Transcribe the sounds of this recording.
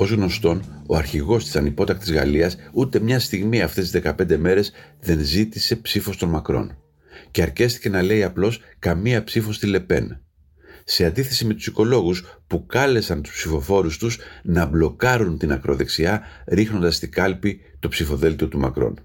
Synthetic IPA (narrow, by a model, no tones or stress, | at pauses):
o̞zɣno̞st̪o̞no̞̰ɐɾçiɣo̞st̪i̥sɐnipo̞t̪ɐk̚t̪izɣɐ̰liɐsut̪e̞mɲɐst̪iɣmiɐft̪e̞sizðe̞kɐpe̞nd̪e̞me̞ɾe̞zðe̞nzit̪ise̞psifo̞st̪o̞nmɐkɾo̞̰n | ce̞ɐɾce̞st̪i̥ce̞nɐle̞iɐplo̞s | kɐmiɐpsifo̞st̪ile̞pe̞̰n | se̞ɐnd̪iθe̞sime̞t̪u̥siko̞lo̞ɣuspukɐle̞sɐnt̪u̥spsifo̞fo̞ɾust̪usnɐblo̞kɐɾunt̪inɐkɾo̞ðe̞ksiɐɾixno̞nd̪ɐst̪ikɐlpi | t̪opsifo̞ðe̞lt̪io̞t̪umɐ̰kɾo̞̰n